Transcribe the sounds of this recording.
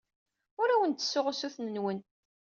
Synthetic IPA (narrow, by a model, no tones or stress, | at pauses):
ʊɾæwənt̪ːə̥sːʊʁʊsuθnənwən